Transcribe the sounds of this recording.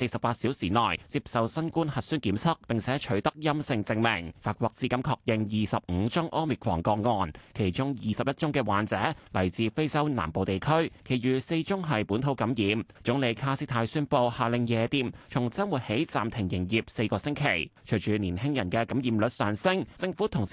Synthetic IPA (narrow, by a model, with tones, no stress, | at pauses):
se˧jsɐ˨p̚aː˧t̚siː˨˥wsiː˨˩nɔː˨˩jt͡siː˧p̚sɐ˨wsɐ˥nkuː˥nhɐ˨t̚syː˥nkiː˨˥msʰʊ˥k̚pɪ˨ŋt͡sʰɛː˨˥t͡ʃʰɵ˨˥ɥt̪ɐ˥k̚jɐ˥msɪ˧ŋt͡sɪ˧ŋmɪ˨˩ŋfaː˧t̚kʷwɔː˧k̚t͡siː˧˥kɐ˨˥mkʰɔː˧k̚jɪ˨ŋjiː˨sɐ˨p̚ŋ̩ː˨˧t͡sʊ˥ŋʔɔː˥mɪ˨k̚wʰɔ̰ː˨˩ŋkɔː˧ŋŋɔː˨˧nkʰe˨˩jt͡ʃʊ˥ŋjiː˨˩sɐ˨p̚jɐ˥t̚t͡sʊ˥ŋkɛː˧wa̰ː˨nt͡sɛː˨˥lɐ˨˩jt͡siː˧fe˥jt͡sɐ˥wna̰ː˨˩mpo˨wt̪e˨jkʰɵ˥ɥkʰe˨˩jɥyː˨se˧jt͡sʊ˥ŋɦɐ˨jpuː˨˥nt̪ʰo˨˥wkɐ˨˥mjiː˨˧m | t͡sʊ˨˥ŋle˨˧jkʰaː˥siː˥t̪ʰaː˧jsyː˥npo˧whaː˨lɪ˨˧ŋjɛː˨˧t̪iː˨mt͡sʰʊ˨˩ŋt͡sɐ˥nwuː˨˩t̚he˨˥jt͡sa̰ː˨mt̪ʰɪ˨˩ŋjɪ˨˩ŋjiː˨p̚se˧jkɔː˧sɪ˥ŋkʰe˨˩jt͡ʃʰɵ˨˩jt͡ʃyː˨niː˨˩nhɪ˥ŋjɐ˨˩nkɛː˧kɐ˨˥mjiː˨˧mlɵ˨˧t̚sœː˨˩ŋsɪ˥ŋt͡sɪ˧ŋfuː˨˥t̪ʰʊ˨˩ŋ